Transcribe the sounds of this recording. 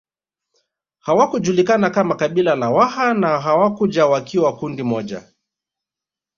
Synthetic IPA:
hawakuʄulikanakamakaɓilalawahanaɦawakuʄawakiwakundimɔʄa̰

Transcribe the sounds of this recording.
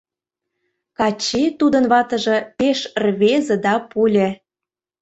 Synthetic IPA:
kɑt͡ɕet̪ud̪ə̆nβɑt̪ə̆ʒɤ̆peʃrβezĕd̪ɑpulʲĕ

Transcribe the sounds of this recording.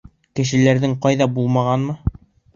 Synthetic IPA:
kɘ̆ʃɘ̆læɾðɘŋqɑjðɑbulˠmɑʁɑnmɤ

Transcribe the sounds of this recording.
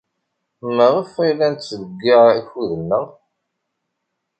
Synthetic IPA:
məʁəfilænt̪sləɡːiʁæçuðənːə

